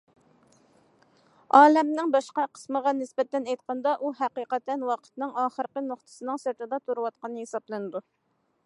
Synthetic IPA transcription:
ɑːlɛmnɪŋbɑʃqɑqʰə̥sməʁɑnɪsbɛt̪ːɛnɛjt̪qʰɑnd̪ɑʔuɦæqiqɛt̪ʰːɛnwɑqʰə̥t̪nɨŋɑːχəɾqənoχt̪ʰɨ̥sɨnɨŋsɪɾt̪ʰɨd̪ɑt̪ʰuɾuwɑt̪̚qɑnɨɦesɑblˠɨnɨd̪u

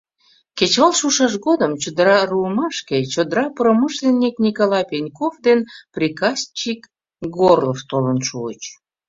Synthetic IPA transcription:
ket͡ɕβɑlʃuʃɑʃɣod̪əmt͡ɕod̪əɾɑruəmɑʃket͡ɕod̪əɾɑpɾoməʃlʲenʲːiknʲikolɑjpʲenʲkovd̪enprʲikɑsʲt͡ɕik | ɡorləft̪olənʃuət͡ɕ

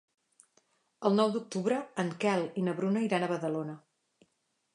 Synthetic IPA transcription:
əlˠnɔwd̪uk̚t̪uβɾəːŋkɛlˠinəβɾunəiɾanəβəðəlonə

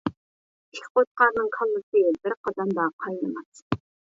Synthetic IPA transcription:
ikʰʲqot̪̚qɑɾnɨŋkʰɑlˠːɨsɨbɪɾqʰɑd̪ɑnd̪ɑqʰɑjlˠɨmɑs

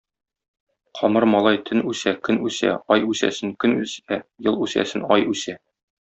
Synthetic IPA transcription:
qʰɒmɤɾmɒlˠɑjt̪ʰɘnʉsækɵnʉsæ̰ɒjʉsæ̰sɘŋkɵnʉsæjɤlˠʉsæ̰sɘnɒjʉsæ

